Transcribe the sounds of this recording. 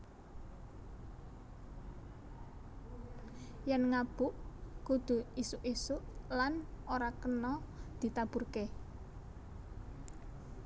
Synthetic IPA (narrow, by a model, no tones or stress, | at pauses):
jɛnŋab̥ʊʔkud̪̥ṳisuʔisuʔlanoɾakənɔd̪̥i̤t̪ab̥urke